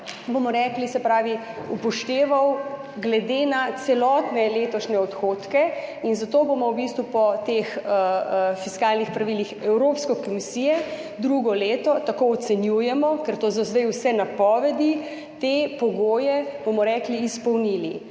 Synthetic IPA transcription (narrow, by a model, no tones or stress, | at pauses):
bomɔɾɛːklisɛpɾaːʋi | upɔʃt̪eːʋaw | ɡlɛd̪enat̪sɛlɔt̪nɛleːt̪ɔʃnɛɔt̪xoːt̪kɛinzat̪oːbomɔwbist̪ʋupɔt̪exəfiskaːlnixpɾaʋilixɛwɾoːpskɛkɔmisiːjɛ | d̪ɾuɡɔleːt̪ɔt̪akoɔt̪sɛnjuːjɛmɔkɛɾt̪oːzɔzd̪ɛjwsɛnapɔːʋɛd̪i | t̪epɔɡoːjɛbomɔɾɛkliːspɔwnilḭ